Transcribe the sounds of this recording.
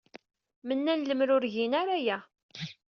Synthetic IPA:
mənːænləmɾʊɾʝinaɾæjæ

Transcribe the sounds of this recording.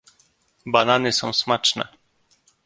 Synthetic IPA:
bananɘsɔ̃w̃smat͡ʂnɛ̰

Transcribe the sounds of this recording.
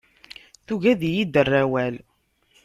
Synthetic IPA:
θuʝæðjid̪ərːæwæl

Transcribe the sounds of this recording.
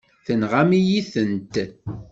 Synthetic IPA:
θənʁamijiθənt̪

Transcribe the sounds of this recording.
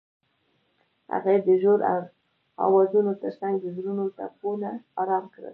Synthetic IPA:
ha̰ɣaed̪əʒoɾa̰ | ɑ̰wɑzunot̪əɾsaŋɡd̪əzɾunot̪a̰polaɑɾɑmkɽə̰l

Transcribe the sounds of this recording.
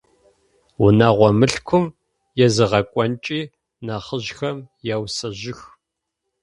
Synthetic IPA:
wʊnaːʁʷɔmɨɬkʷʰʊm | jɛzɨʁɐkʷʼɔnt͡ʃʼiː | naːχəʑxɐmjawsɐʑɪx

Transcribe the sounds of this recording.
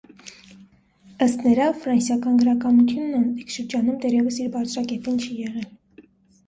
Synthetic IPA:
əst̪nəɾɑfɾɑnsjɑkɑnɡəɾɑkɑmut̪ʰjunːɑnikʃəɾd͡ʒɑnumd̪ɛrjɛvəsiɾbɑɾt͡sʰɾɑkɛt̪int͡ʃʰijɛʁɛl

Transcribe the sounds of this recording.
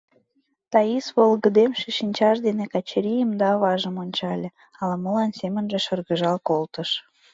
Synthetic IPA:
t̪ɑisβolɣə̆d̪emʃeʃinʲt͡ɕɑʃd̪enekɑt͡ɕɾʲijəmd̪ɑβɑʒəmonʲt͡ɕɑlʲe | ɑləməlɑnsemə̆nʒeʃɤ̆rɣəʒɑlkolt̪əʃ

